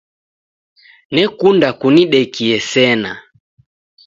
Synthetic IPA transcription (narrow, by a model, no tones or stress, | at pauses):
nɛkundakuniɗɛkiɛsɛna